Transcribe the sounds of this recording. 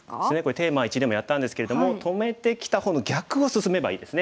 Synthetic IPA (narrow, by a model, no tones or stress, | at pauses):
ene̞ko̞ɾet̪e̞ːmait͡ɕid̪e̞mo̞jat̪ːãnd̪esɨ̥ke̞ɾe̞d̪o̞mo̞t̪ʰo̞me̞t̪e̞kʲi̥t̪ahõ̞nːoɡʲakɯ̟o̞sɨsɨme̞baḭːd̪e̞sɨne